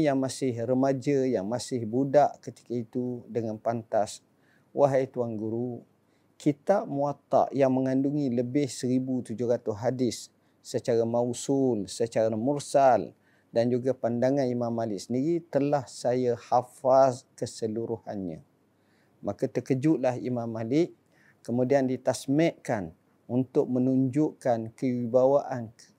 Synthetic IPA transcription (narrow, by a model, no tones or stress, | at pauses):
jaŋmasɪhrəmad͡ʒajaŋmasɪhbudaʔkət̪i̥kait̪udəŋanpant̪as | wʔaɦajt̪uaŋɡuɾu | kʰit̪aʔmuat̪a̰ʔjaŋməŋanduŋiləbɪhsəɾibut̪ud͡ʒʊɾat̪uɦadɪsː | ət͡ʃaɾamausulsət͡ʃaɾamursal | dand͡ʒuɡapandaŋanimamːalɪksəndiɾit̪əlahsajahafaskəsəluɾuha̰nɲã̰ | makat̪əkəd͡ʒuʔlaɦḭmamːalɪʔ | kəmudiandit̪asmɛʔkan | unt̪ʊk̚mənuɲd͡ʒʊʔkankəwibawaʔan